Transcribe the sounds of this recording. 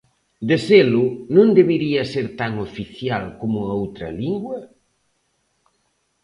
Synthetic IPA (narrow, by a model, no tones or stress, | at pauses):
d̪eselʊnõnd̪eβiɾiɐseɾt̪aŋofiθjalkomʊɐowt̪ɾɐ̰liŋɡwɐ